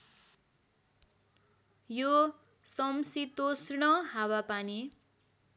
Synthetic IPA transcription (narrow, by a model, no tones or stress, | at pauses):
jo | sʌmsit̪osɳʌɦawapani